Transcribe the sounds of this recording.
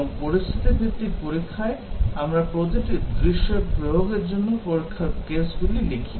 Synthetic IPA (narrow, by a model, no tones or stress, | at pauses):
poɾist̪ʰit̪ibʱiɾt̪ipoɾikʰːaeamɾapɾot̪eʈid̪ɾiʃːeɾbɾobʱoɡeɾd͡ʑonːopoɾikʰːakesɡulilekʰi